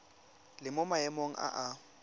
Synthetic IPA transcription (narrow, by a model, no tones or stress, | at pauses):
lɪmʊmaɛmoŋ̩ʔa̰ʔa